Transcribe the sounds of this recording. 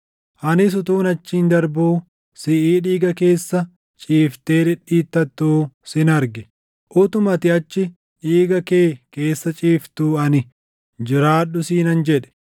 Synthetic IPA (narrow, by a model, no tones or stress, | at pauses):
ʔɐnɪs̬ʊt̪uːnɐt͡ʃːiːnd̪ɐɾbuː | sɪʔiːᶑiːɡɐke̞ːsːɐ | t͡ʃʼiːft̪eːᶑ̪ɛᶑiːt̪ːɐt̪ːuːsɪnɐɾɡɪ | ʔʊt̪ʊmɐt̪ɪɐt͡ʃːɪ | ᶑiːɡɐke̞ːke̞ːsːɐt͡ʃʼiːft̪uːɐnɪ | d͡ʒɪɾaːᶑʊsiːnɐnd͡ʒɛᶑɛ̥